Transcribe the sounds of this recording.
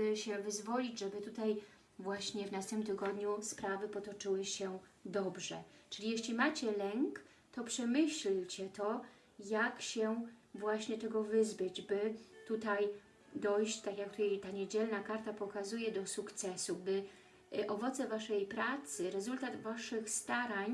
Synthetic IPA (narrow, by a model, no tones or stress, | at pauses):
bɘɕɛvɘzvɔlʲid͡ʑʐɛbɘt̪ut̪aj | vwaɕɲɛvnast̪ɛmt̪ɘɡɔd̪ɲuspɾavɘpɔt̪ɔt͡ʂɘwɘɕɛ | d̪ɔbʐɛ̰t͡ʂɘlʲijɛɕlʲimat͡ɕɛlɛŋk | t̪ɔpʂɛmɘɕlt͡ɕɛt̪ɔ | jakɕɛvwaɕɲɛt̪ɛɡɔvɘzbɘd͡ʑbɘt̪ut̪aj | d̪ɔjɕt͡ɕt̪akʲjak̚t̪ut̪ajt̪aɲed͡ʑɛlnakaɾt̪apɔkazujɛd̪ɔsukt̪sɛsubɘ | ʔɔvɔt̪sɛvaʂɛjpɾat̪sɘɾɛzult̪ad̪vaʂɘxst̪aɾaɲ